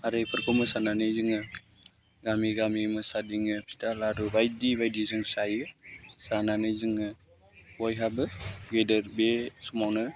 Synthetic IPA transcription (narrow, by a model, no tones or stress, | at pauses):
aɾepʰəɾkʰɔməsananɯjzɯŋɯ | ɡamiɡamiməsadiŋɯpʰi̥talaɾubajdibajdizɯŋsajɯsananɯzɯŋɯ | wɔjɦabɯɡedəɾbesumawnɯ